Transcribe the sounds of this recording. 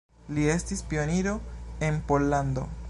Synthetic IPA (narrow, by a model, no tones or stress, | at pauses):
lie̞stispio̞niɾo̞e̞npo̞lːand̪o̞̰